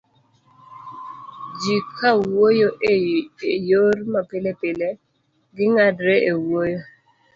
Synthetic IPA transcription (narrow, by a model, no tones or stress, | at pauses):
d͡ʒikʰawojoʔeejormapɪlɛpɪlɛ | ɡɪŋadɾeʔewojo